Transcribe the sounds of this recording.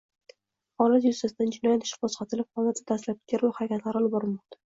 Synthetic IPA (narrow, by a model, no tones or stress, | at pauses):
χɒlat̪jʊst̪asd̪and͡ʒɪnɒjat̪ʰɪʃ̚bosqɑt̪ʰɪlɪp̚χɒlˠat̪ɪd̪aslap̚ɡʲaɾvahaɾakʲʰat̪laɾɒlɪbɒɾɪlmɒq̚t̪ḁ